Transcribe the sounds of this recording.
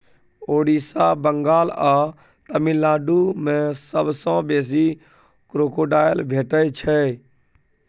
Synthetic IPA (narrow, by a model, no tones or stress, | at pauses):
oːɽiːsaːbəŋɡaːlaː | t̪əmɪlːaːɖuːmẽsəbsɔ̃ːbeːs̬i | kɾoːkoːɖaːjəlbʱeːʈət͡ʃʰɛ